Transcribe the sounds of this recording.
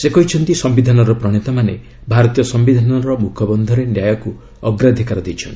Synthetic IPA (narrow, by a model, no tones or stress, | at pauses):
sekɔɦit͡ʃʰɔnt̪isɔmbid̪ʱanɔɾɔpɾɔɽ̃it̪amane | bʱaɾɔt̪ijɔsɔmbid̪ʱanɔɾɔmukʰɔbɔnd̪ʱɔɾenjajɔku | ɔɡɾad̪ʱikaɾɔd̪ejt͡ʃʰɔn